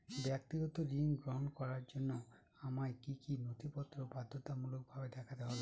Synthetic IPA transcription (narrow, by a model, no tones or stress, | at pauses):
bjak̚t̪iɡɔt̪ɔɾiŋɡɾɔɦɔnɔkɔɾaɾd͡ʒɔnːɔ | amajkikinot̪ipɔt̪ːɾɔbad̪ʱːɔt̪amuluk̚ɔbʱabed̪ɛkʰat̪eɦole